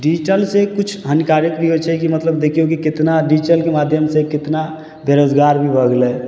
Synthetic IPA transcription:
ɖiːt͡ʃəlsekʊt͡ʃʰɦənkaːɾɪk̪bʱiɦot͡ʃʰɛkimət̪ləbd̪eːkʰiokikɪt̪naɖiːt͡ʃəlkemaːd̪ʱjəmsekɪt̪na | d̪eɾod͡ʒɡaːɾbʱibʱəɡlɛː

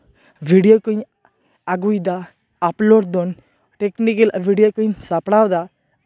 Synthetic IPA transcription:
ʋiɽijokə̃ | aɡujd̪aː | ploɽd̪on | ʈeknikəlʋiɽjokəinsapɽawd̪a

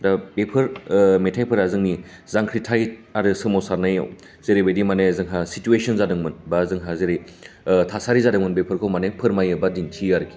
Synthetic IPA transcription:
dabepʰɯɾmetʰajpʰɯɾazɯŋni | zaŋkʰɾitʰajaɾɯsɯmɔsaɾnaja̰w | z̥eɾebedimanezɯŋɦasituesʰɔnzadɯŋmɯnbazɯŋɦazeɾe | tʰasaɾizadɯŋmɯnbepʰɯɾkʰowmanepʰɯɾmajɯbadintʰiaɾɯkʰi̥

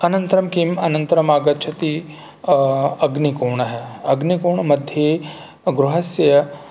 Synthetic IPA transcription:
ɐnɐnt̪ɐɾɐmkimɐnɐnt̪ɐɾɐmaːɡɐt̪t͡ʃʰɐt̪i | ɐɡnikoːɳɐɦeɐɡnikoːɳmɐd̪ʱje | ɡɾuɦɐsjɐ

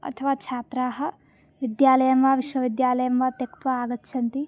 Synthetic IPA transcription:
ɐ̰t̪ʰɐʋaːt͡ʃʰaːt̪ɾaːɦɐ̆ | ʋid̪jaːlɐjɐmʋaːʋiʃʋɐʋid̪jaːlɐjɐmʋaːt̪jɐkt̪ʋɐaːɡɐtːʃʰɐnt̪i

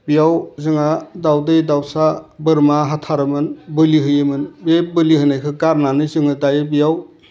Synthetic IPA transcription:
bijawzɯŋadawdɯjdawsabɯɾmaɦatʰaɾɯmɯnbɯliɦɯjemɯnbebɯlihɯnajkʰɯkaɾnanɯzɯŋɯdajɯbijaw

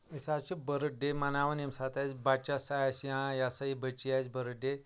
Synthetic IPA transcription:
isat͡ʃubəɾəɖemanaʋənimsat̪at͡sbat͡ɕasajasjãjasaibʱət͡ʃiat͡sbəɾəɖe

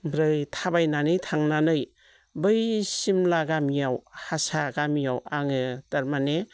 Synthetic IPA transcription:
ɾɯjtʰabajnanɯjtʰaŋnanɯj | bɯjsimlaɡamijawhasaɡamijawaŋɯtaɾmane

